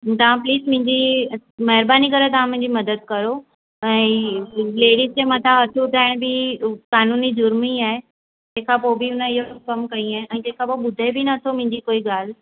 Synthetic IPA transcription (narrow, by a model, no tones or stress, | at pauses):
t̪ɐʋ̤ãpliːsmʊ̃ɦɪ̃ɲd͡ʑimɐɦɪɾbaːnikɐɾet̪ɐʋ̤ãmʊ̃ɦɪ̃ɲd͡ʑimɐd̪əd̪̚kɐɾo | ɛ̃ːleːɽist͡ɕemɐt̪ʰaɐʈʰut̪ʰaːɪɽ̃bɪkaːnuːnid͡ʑʊɾmiaːɦe | d͡ʑeɦkʰãpobʱɪʊnəɪɦokɐmkɐĩaːɦeʔɛ̃ːd͡ʑẽːkʰãpoɓʊd̪ʱebɪnɐt̪ʰomʊ̃ɦɪ̃ɲd͡ʑikoːiɠaːl̤